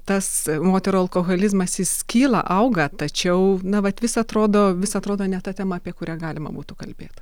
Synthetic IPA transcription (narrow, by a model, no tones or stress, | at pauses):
t̪ɐsmoːt̪ʲɛɾuːɐlˠkoːɣolʲɪzmɐsɪskʲiːlˠɐ̰ʔɐʊɡɐt̪ɐt͡ʃʲɛʊnɐʋɐt̪ʋʲɪsɐt̪ɾoːd̪oːʋʲɪsɐt̪ɾoːd̪oːnʲɛt̪ɐt̪ʲæːmɐɐpʲiɛkʊɾʲæːɡɑːlʲɪmɐ̰buːt̪ʊkɐlʲbʲḛːt̪